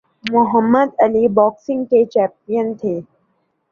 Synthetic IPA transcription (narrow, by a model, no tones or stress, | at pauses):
mʊɦəmːəd̪əlibɔːksɪ̃ŋɡket͡ʃɛːpijənt̪ʰeː